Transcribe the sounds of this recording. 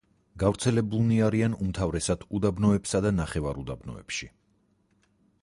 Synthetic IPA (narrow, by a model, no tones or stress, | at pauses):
ɡavɾt̪sʰɛlɛbulˠniaɾianumt̪ʰavɾɛsad̪̥ud̪abnɔɛpsad̪anaχɛvaɾud̪abnɔ̰ɛ̰pʃi